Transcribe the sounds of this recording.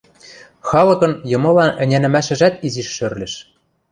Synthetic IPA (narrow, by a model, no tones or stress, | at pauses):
xɑlɤ̆kɤ̆njɤ̆mɤ̆lɑnɘ̆nʲænɘ̆mæʃɘ̆ʒæt̪iziʃːørlʲɘ̆ʃ